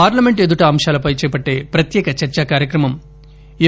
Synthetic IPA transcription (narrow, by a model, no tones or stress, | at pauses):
aːɾlɐmeɳʈed̪uʈɐːmʂaːlɐpɐjt͡ʃɛːpɐʈːe̞ːpɾɐt̪jɛːkɐt͡ʃɐɾt͡ʃaːkaːɾjɐkɾɐmɐm | i